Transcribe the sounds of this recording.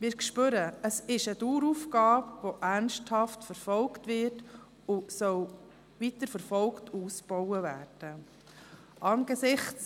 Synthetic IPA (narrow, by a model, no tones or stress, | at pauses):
mɪːɾkʃpøɾəəsɪʃəd̥uːɾufɡɑːpʋoʔæɾnʃthɑftfəɾfɔlktʋɪɾt | ʊsœw | vitəɾfəɾfɔlktʰuːsb̥ɔwəvæːrd̥ə | ʔɑːnɡ̥esɪχt͡s